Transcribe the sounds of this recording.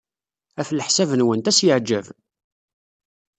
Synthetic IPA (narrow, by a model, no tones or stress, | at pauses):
æflħsævənwənt̪æsjəʕd͡ʒæv